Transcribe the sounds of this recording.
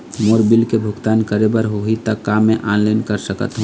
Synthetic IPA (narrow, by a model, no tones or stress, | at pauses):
moːɾbɪlkebʱʊɡt̪aːnkəɾebəɾɦoɦit̪əkːaːmẽʔaːnlaɪnkəɾsəkə̰t̪ɦũː